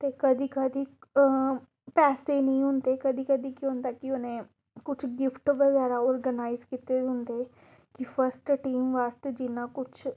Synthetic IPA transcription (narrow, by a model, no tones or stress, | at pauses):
t̪eːkəd̪iːkəd̪iː | pɛːseːnəĩːɦʊnd̪eːkəd̪iːkəd̪iːkiʊ̃nd̪aːkɪʊnẽː | kʊt͡ʃʰɡɪfʈʋəɡɛːɾaːɔːɾɡənaːɪzkit̪eːʊnd̪eː | kɪpʰəɾsʈʈiːmʋaːst̪ed͡ʒɪnãːkʊt͡ʃʰ